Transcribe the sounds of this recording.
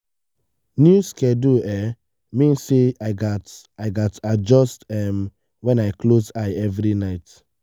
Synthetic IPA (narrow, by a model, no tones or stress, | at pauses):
njuskɛduɛ | mĩnseaɪɡataɪɡatad͡ʒɔstɛm | wɛ̃naɪklosaɪɛvɹinaɪt